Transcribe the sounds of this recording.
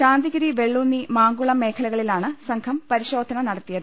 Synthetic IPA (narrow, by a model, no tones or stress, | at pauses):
ɕaːnd̪iɣɐɾiʋe̞ɭːunːimaːŋɡuɭɐme̞ːkʰɐlɐɣɐɭilaːɳɨsɐŋkʰɐmpɐɾiɕo̞ːd̪ʱɐɳɐnɐɽɐt̪ːijɐðɨ